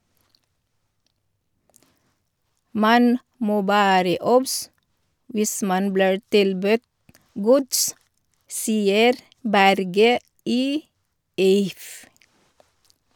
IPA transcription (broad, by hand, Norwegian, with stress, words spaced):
ˈmɑn ˈmoː ˈʋæːɾə ˈɔbs ˈʋɪs ˈmɑn ˈbliːɹ ˈtɪlbʉt ˈɡʊds ˈsiːəɾ ˈbæɾɡə ˈiː ˈɪf